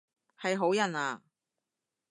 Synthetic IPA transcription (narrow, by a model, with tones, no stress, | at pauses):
hɐ˨jɦo˨˥wjɐ˨naː˨˧